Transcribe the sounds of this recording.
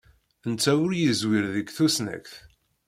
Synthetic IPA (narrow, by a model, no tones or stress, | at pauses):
ənt͡sːæwʊɾjəzwiɾðəɡθusnæ̰kθ